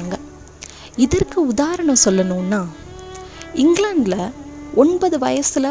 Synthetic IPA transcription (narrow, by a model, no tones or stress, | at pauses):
ŋɡɐ | ɪðɐrkɯʊðaːɾɐɳɐ̃msɔlːɐnuːnːaː | ɪŋɡlɐɳɖlɐʔɔnbɐðɯʋɐjɐsɯlɐ